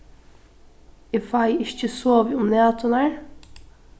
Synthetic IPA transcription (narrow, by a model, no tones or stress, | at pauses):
ɪfɑɪɪççəsoːʋɪʊmneːt̪ʰʊnæɹ